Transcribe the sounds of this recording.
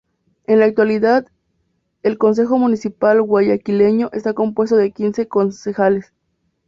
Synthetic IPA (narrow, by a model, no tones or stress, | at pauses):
e̞nlaːk̚t̪waliðað | e̞lko̞ns̬e̞xo̞mũnisipalɣwaʝakile̞ɲo̞ʔe̞st̪ako̞mpwe̞st̪oðe̞kinse̞ko̞nsexales